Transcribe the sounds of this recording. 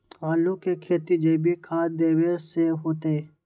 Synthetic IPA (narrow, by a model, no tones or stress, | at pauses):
aːlokekʰeːt̪id͡ʒeːbʱikʰaːd̪eːweseɦoːt̪e